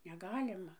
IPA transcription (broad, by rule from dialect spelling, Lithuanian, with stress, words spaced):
nʲɛˈɡɑːlʲɪmɐ